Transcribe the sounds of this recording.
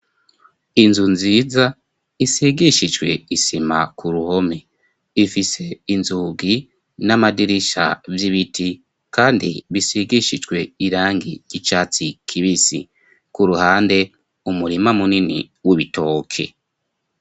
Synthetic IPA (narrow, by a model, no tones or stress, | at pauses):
inzunziːza | isiɡiʃid͡ʒɡwe̞isimakʰuɾuho̞me | ifise̞inzuːɡi | namadiɾiʃa̰vjiβitʰi | kaːndḭβisiɡiʃid͡ʒɡwe̞iɾaːŋɡiɟ̥it͡ʃaːt͡sikʰiβisḭ | kuɾuhaːnde̞ | umuɾimamuninḭ | wuβito̞ːkʰe̞̰